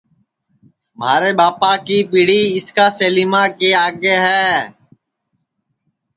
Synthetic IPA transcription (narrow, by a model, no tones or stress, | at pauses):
məaːɾeːbaːpaːkiːpiːɽiːɪskaːseːliːmaːkeːaːɡeːɦɛː